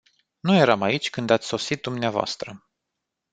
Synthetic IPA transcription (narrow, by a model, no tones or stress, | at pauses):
nuje̞ɾamait͡ʃʲkɨnd̪at̪sʲso̞sit̪̚d̪umneavoa̰st̪ɾə